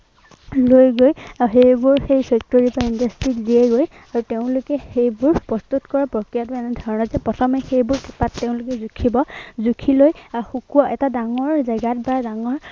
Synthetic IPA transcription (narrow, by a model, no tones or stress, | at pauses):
lojɡojxejbʊɹxejsek̚toɹipaindastɹiziɛɡoj | aɹuteʊ̃lʊkɛxejbʊɹpɹɔst̪utkɔɹapɹɔkɹijat̬ʊɛnɛdʱɔɹɔnɔzɛpɹɔtʰɔmɛxejbʊɹti̥patːeʊ̃lʊkɛzukʰibɔzukʰilojxukuwɔʔɛtadaŋɔɹzaɡat̚baɹadaŋɔɹ